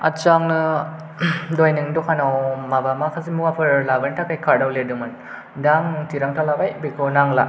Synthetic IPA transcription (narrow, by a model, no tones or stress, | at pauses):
at͡ʃaŋnɯ | dojnɯŋdɔkʰanawmabamakʰazimuwapʰɯɾlabantʰakʰajkʰaɾdawledɯmɯn | daŋtiɾaŋtʰalabajbikʰɔnaŋla̰